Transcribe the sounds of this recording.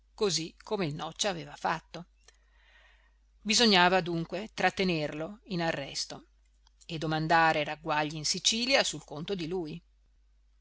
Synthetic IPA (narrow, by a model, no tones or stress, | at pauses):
kozikʰːomeilnɔt͡ʃːaːveːvafat̪ːo | bizoɲːaːvad̪uŋkwet̪ɾat̪ːenerloinarːɛst̪o | ed̪ːomand̪aːɾeɾaɡwaʎːiinsit͡ʃiːljasulkont̪od̪iluːj